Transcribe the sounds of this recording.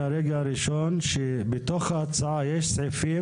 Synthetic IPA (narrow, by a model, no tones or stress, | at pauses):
aɾeɡaaɾiʃonʃe | bet̪oχhaat͡saʕajeʃsʕifi